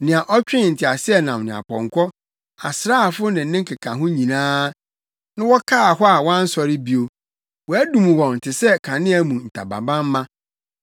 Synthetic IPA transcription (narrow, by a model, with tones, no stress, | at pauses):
nɪ̃˨a˨ʔɔ˦t͡ɕᶣɪ̃˦n̩˨tʰɪ˨a˨sɪ˦ɛ˨nã˨mnɪ̃˨a̰˨pʰɔ̰̃˨ŋkʷʰɔ˦ | a̰˨sɾa˦˨fʊ˦nɪ̃˨n̩˦nɪ̃˦ŋ̩˦kʰɪ˨kʰã˨ɦʊ̃˦ɲĩ˨nãː˦ | nã˦wɔ˦kʰa˦˨ɦɔ˦a˨wã˦n̩˦sɔ˨ɾɪ˦bi˨o˨ | wɔ˨æ˦dũ˨mũ˨wɔ̃˨n̩˨tʰɪ˨sɛ˦kʰã˨nɪ̃˦æ˨mũ˨n̩˨tʰa̰˨ba̰˨bã˦m˦mã˦